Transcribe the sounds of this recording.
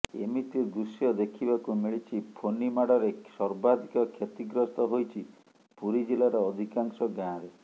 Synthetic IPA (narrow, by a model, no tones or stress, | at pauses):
emit̪id̪usjɔd̪ekʰibakumiɭit͡ʃʰipʰonimaɽɔɾesɔɾbad̪ʱikɔkʰjet̪iɡɾɔst̪ɔɦojt͡ʃʰi | puɾid͡ʒilaɾeɔd̪ʱikaŋsɔɡjãɾe